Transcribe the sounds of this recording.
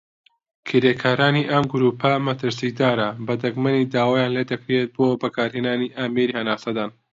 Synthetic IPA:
kʰiɾeːkʰaːɾaːniːʔɐmɡʊɾuːpʰɐmɐt̪ɨɾsid̪aːɾɐbɐd̪ɐɡmɐnid̪aːwaːjaːnleːd̪ɐkɾet̪̚boːbɐkʰaːɾɦeːnaːniːʔaːmeːɾiːhɐnaːsɐd̪aːn

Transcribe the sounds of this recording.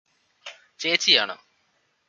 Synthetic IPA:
t͡ɕeːt͡ɕːija̰ːɳɨ̰

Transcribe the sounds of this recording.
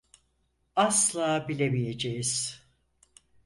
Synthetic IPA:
aslˠaːbilʲemije̞d͡ʒejiz̥

